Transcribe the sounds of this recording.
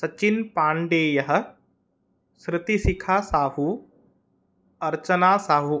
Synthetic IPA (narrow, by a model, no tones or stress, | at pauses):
sɐt͡ʃɪnpãːɳɖeːjɐɦɐ̆ | sɾɪt̪isɪkʰaːsaːɦu | ɐɾt͡ʃənaːsaːɦu